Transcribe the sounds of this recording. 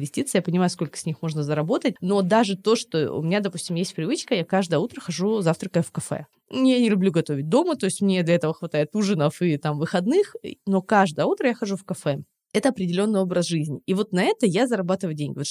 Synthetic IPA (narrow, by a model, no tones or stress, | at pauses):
vʲɪsʲtʲit̪sɨjapənʲɪmajʊsko̞lʲkə̥sʲnʲixmo̞ʐnəzəɾɐbo̞t̪ət̚ʲno̞d̪aʐɨt̪o̞ʂt̪oʊ̰mʲɪnʲad̪ɐpusʲtʲɪmjesʲt̚ʲpɾʲɪvɨt͡ɕkəjakaʐd̪əjəut̪ɾəxɐʐuzaft̪ɾəkəfkɐfɛ̰ | janʲɪlʲʊblʲuɡɐt̪o̞vʲɪt̚ʲd̪o̞mət̪oɪsʲtʲmnʲed̪lʲɐɛt̪əvəxvɐt̪ajɪt̪uʐɨnəfɨt̪amvɨxɐd̪nɨxno̞kaʐd̪əjəut̪ɾəjaxɐʐufkɐfɛ | ɛt̪əɐpɾʲɪdʲɪlʲo̞nːɨjo̞bɾəsʐɨzʲnʲɪivo̞t̪nɐɛt̪əjazəɾɐbat̪ɨvəjʊdʲenʲɡʲɪvo